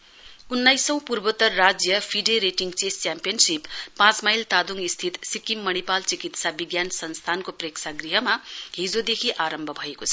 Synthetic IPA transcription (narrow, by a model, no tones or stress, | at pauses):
unːajsʌ̃w̃purbʌt̪ːʌrːad͡zjʌpʰiɖeɾeʈiŋt͡sest͡sjampijʌnsipːãt͡smajlt̪ad̪uŋist̪ʰit̪sikimːʌnipalt͡sikit̪sabiɡjansʌnst̪ʰankopreksaɡriɦʌmaɦid͡zod̪ekʰiʔaɾʌmbʱʌbʱʌekot͡sʰʌ